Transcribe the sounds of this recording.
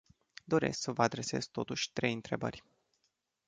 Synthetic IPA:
d̪o̞ɾe̞̰sksəvəad̪ɾe̞se̞̰z̥t̪o̞t̪uʃʲt̪ɾe̞jɨnt̪ɾe̞bə̰rʲ

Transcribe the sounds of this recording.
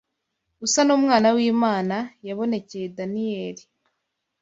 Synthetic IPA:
usanuːmŋaːnawiːmaːnajaβo̞ne̞cejedanijeːɾi

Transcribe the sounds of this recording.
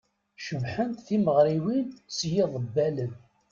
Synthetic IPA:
ʃəmħənt̪θiməʁɾiwinsjɪðˤəbːælən

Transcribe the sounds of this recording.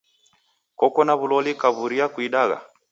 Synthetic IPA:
kɔkɔnaβulɔlikaβuɾiakwiɗaɣa̰

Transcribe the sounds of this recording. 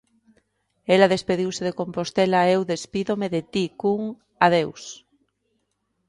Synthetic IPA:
elaðespeðiwseðekompost̪elaewðespiðomeðet̪ikuŋ | aðews

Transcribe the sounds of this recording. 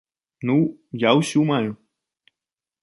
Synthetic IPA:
nujawɕumal

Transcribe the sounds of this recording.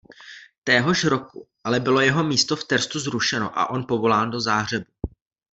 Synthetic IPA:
t̪ɛːɦo̞ʃɾo̞kuʔalɛbɪlo̞jɛɦo̞miːst̪o̞ft̪ɛɾst̪uzɾuʃɛno̞̰ʔa̰ʔo̞npo̞vo̞laːndo̞zaːɦr̝ɛbu

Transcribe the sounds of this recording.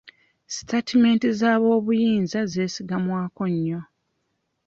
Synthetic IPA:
si̥tetime̞ːntizaːβo̞ːβujiːnzaze̞ːsiɡamwaːko̞ɲːo

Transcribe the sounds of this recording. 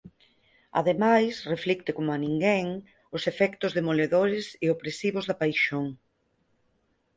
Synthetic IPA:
a̰ðemajsreflikt̪ɪkomoanĩŋɡɛŋ | ʊsefɛkt̪ʊzðemoleðoɾɪsɪopɾesiβʊzðapajʃoŋ

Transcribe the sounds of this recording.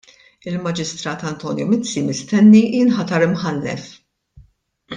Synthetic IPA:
ɪlmɐd͡ʒɪst̪ɾɐːt̪ɐnt̪ɔːnjumɪt͡sːimɪst̪ɛnːiɪnħɐt̪ɐɾɪmħɐlːɛ̰f

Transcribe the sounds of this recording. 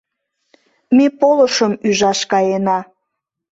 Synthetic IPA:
mepoləʃəmyʒɑʃkɑjenɑ

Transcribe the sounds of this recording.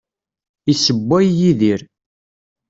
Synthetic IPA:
isəbːæjːiðiɾ

